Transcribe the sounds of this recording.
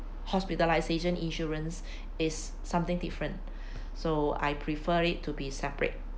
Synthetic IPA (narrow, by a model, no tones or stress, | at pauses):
hɔspitəlajseʃə̃nĩnʃɔɹə̃ns | ɪsː | ãmt̪ɪ̃ŋdifɹə̃nt | soa̰jpʰɹifəɹɪtʰːubisɛpɹḛt̚